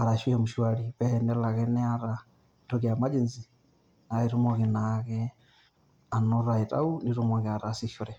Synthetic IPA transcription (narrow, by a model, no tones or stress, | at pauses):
aɾaʃwiɛmuʃwaɾiβɛnɛlaɣɛnɛaɾa | tɔɣiamad͡ʒenzi | naeɾumɔɣinaɣɛ | anɔɾaitʼa̰uniɾumɔɣɛaɾasiʃuɾɛ